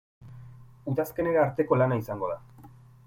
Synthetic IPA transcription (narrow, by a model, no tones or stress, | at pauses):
uðaske̞neɾaɾt̪e̞ko̞lanaisaŋɡo̞ð̞a